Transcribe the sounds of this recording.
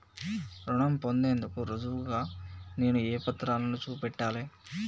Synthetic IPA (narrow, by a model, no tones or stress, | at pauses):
ɾuɳɐmpo̞nd̪eːnd̪ukuɾɐd̪uʋuɡaːne̞ːnueːpɐt̪ːɾaːlɐnut͡ʃuːpɛʈːaːleː